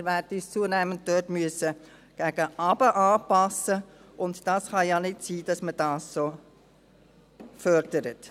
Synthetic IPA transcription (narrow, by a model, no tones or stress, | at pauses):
ɾʋæːrdəyːst͡suənæmənt̚døːtmyəsə | ɡ̥æɡ̥əʔɑb̥əʔɑːpɑsːə | ʊntd̥ɑːsχɑjɑnɪtsiːd̥ɑsməd̥ɑːssoː | fœɾd̥əɾət